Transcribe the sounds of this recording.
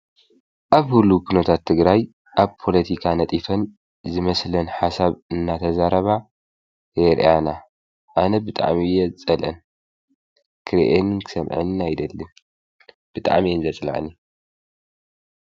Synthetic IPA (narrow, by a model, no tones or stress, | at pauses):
ʔaβhulːukʰunɐt̪ʰat̪ʰːɨɡɾaj | ʔaβpʰo̞lɐt̪ʰikʰanɐt̪ʼifɐn | zɨmɐslɐnħasaβɨnːat̪ʰɐzaɾɐβa | jeɾ̰ʔana | ʔanɐbɨt̪ʼa̰ʕmijɛt͡sʼɐlʔɨ̰n | kʰɨɾʔenɨnkʰɨ̥sɐmʕɨ̰najd̪ɐlːɨn | b̥ɨt̪ʼa̰ʕmiɨnzɐt͡sʼl̰ʕ̰ni